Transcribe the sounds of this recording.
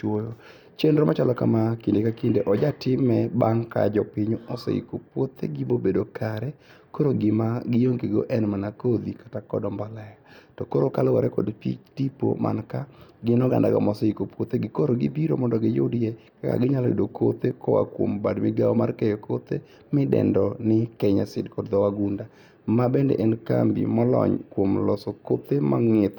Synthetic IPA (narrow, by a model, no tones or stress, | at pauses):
t͡ʃwojo | t͡ʃendɾɔmʔat͡ʃalɔkamakindekakindeʔɔd͡ʒatɪmɛbaŋka̰d͡ʒɔpɪɲoɔsɔ̰ḭkopwot̪ḛɡibobedokʰaɾɛ | koɾoɡɪmaɡɪjoŋkeɡo̰ʔɛnmanakod̪ikḁtakɔ̰dɔmbalɛjatɔkoɾokalɔwaɾɛkɔ̰dpḭt͡ʃdipo̰mʔa̰nkaɡɪnɔɡa̰ndaɡɔ̰mɔsɔikopwot̪eɡɪkoɾoɡɪbiɾo̰mɔndɔɡɪjodjɛkaka̰ɡɪɲalḭdokʰo̰t̪ekɔwa̰kwo̰mbadmɪɡaɔmarkɛjokot̪e | mɪdɛ̰ndɔnɪkɛɲasɪ̰dkɔdd̪ɔwaɡunda | mabɛndɛ̰ʔɛnka̰mbḭmɔlɔ̰ɲkwomlɔsokot̪ema̰ŋɪt̪